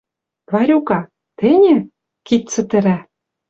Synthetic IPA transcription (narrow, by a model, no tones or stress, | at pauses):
vɑɾʲukɑ | t̪ɘ̆nʲɘ̆ | kit̪t͡sɘ̆t̪ɘ̆ɾæ